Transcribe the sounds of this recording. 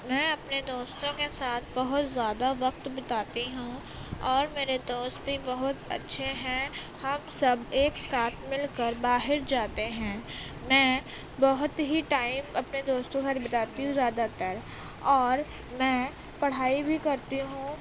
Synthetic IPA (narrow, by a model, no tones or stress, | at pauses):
mɛ̃ːɐpned̪oːst̪õkesaːt̪ʰbɐɦʊt̪zjaːd̪aʋɐqt̪bɐt̪aːt̪iɦũ | ɔːɾmeːɾed̪oːst̪bʱibɐɦʊt̪ɐ̰tːʃʰeɦɛ̃ | hɐmsɐbeːkst̪aːt̪ʰmɪlkəɾbaːɦɪɾd͡ʒaːt̪eɦɛ̃ː | mɛ̃ː | bɐɦʊt̪ɦiʈaːɪmɐpned̪oːst̪õkɐɾbɪt̪aːt̪iɦũzjaːd̪at̪əɾ | ɔːɾ | mɛ̃ː | pɐɽ̤aːibʱikɐɾt̪iɦũ